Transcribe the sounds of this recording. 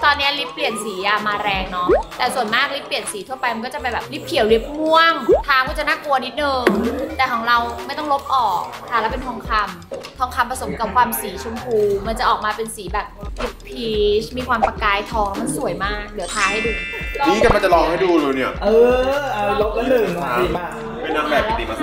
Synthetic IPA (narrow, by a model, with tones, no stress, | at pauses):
t̪ɔː˧nːi˦˥ɐli˦˥pːli˨˩ənsiː˩˦jaː˧maː˧ɾɛː˧ŋnɔ˦˥t̪ɛː˨˩su˨˩ənmaː˥˩k̚li˦˥pːli˨˩ənsiː˩˦t̪ʰu˥˩ɐpa˧jma˧nkɔː˥˩t͡ɕa˨˩p̬a˧jbɛː˨˩p̚li˦˥p̚kʰi˨˩˦wli˦˥p̚mu˥˩əŋt̪ʰaː˧˥kʰɔː˥˩t͡ɕa˨˩naː˥˩ku˧ɐni˦˥t̪̚nɤː˧ŋt̪ɛː˨˩kʰɔː˩˦ŋɾa˧wma˥˩jt̪ɔ˥˩ŋlo˦˥p̚ʔɔː˨˩k̚kʰa˥˩lɛː˦˥wpe˧nt̪ʰɔː˧ŋkʰa˧m | t̪ʰɔː˧ŋkʰa˧mpɾa˧so˩˦mka˨˩p̚kʰwaː˧msiː˩˦t͡ɕʰu˧əmkʰuː˧ma˧nt͡ɕa˨˩ʔɔː˨˩k̚maː˧pe˧nsiː˩˦bɛː˨˩p̚li˦˥p̚pʰːiː˦˧˥t͡ɕmiː˧kʰwaː˧mpa˧kaː˧jt̪ʰɔː˧ŋ˥˩ma˧nsu˨˩˦jmaː˥˩k̚lɯ˩˦ɐ˦t̪ʰaː˧˥ha˥˩jduː˧niː˦ka˧˩ma˧nt͡ɕa˨˩lɔː˧ŋha˥˩jduː˧lɤː˧jni˧˥˩ɐʔɤː˧a˧lo˦˥laː˧˥˩lɤː˧˩a˧i˧˩aː˧˩ | pa˧˩naː˦˥mbɛː˨˩˧t̪iː˧˩ma˧